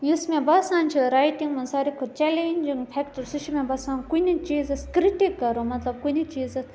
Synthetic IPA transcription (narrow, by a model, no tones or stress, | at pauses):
jismẽbɐsaːnt͡ʃʰiɾaːjʈiŋɡmɐnsaːɾikʰot͡ʃelenʲd͡ʒiŋɡpʰɛkʈsuʃʰimẽbɐsãːnkunit͡ʃiːzɐskɾiʈikːɐɾomɐt̪lɐb̚kunit͡ʃiːzɐ